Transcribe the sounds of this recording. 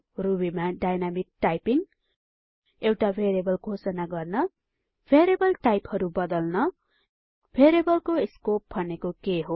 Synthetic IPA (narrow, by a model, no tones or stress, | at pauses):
rubimaɖajnamik̚ʈajpiŋ | ewʈabʱeɾebʌlɡʱosʌnaɡʌrnʌ | bʰʱeɾebʌlʈajphʌɾubʌd̪ʌlnʌ | bʰʱeɾebʌlkoskop̚bʱʌnekokeɦo